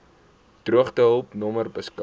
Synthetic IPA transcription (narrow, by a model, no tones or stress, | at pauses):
d̥ruəχtəɦəlˠpnɔmərbəskɐ